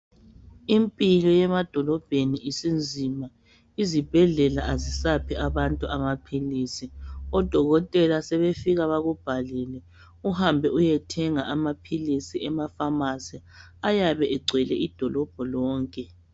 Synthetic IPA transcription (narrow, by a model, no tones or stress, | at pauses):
impʼilɔjɛmad̥ʱɔlɔb̥ʱeniʔisind͡zʱima | izib̥ʱɛɮɛlaʔazisapʰiaβantʼuʔamapʰilisiɔd̥ʱɔɣɔtʼɛlasɛβefiɣaβaɣub̥ʱalɛlɛ | uhambʱɛujɛtʰɛŋaʔamapʰilisiɛmafamasɛ | ajaβɛʔɛɡ͡ǀʱɛlɛ̰ʔid̥ʱɔlɔb̥ʱɔlɔːŋkʼɛ